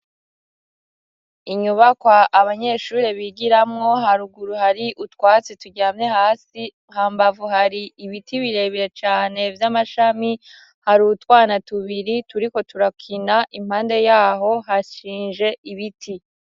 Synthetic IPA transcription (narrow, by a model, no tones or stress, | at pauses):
iɲuβakwaʔːβaɲe̞ʃuːɾeβiɡiɾamŋo̞ɦaɾuɡuɾuhaɾiʔutwaːt͡situɟaːmɲe̞haːsiŋhaːmbavuɦaɾiːβitʰiβiɾe̞ːβiɾe̞t͡ʃaːne̞vjamaʃami | haɾutwaːnatuβiɾituɾiko̞tuɾakʰinaʔim̥haːnde̞jaːɦo̞ɦaʃiːnʒe̞iβitʰi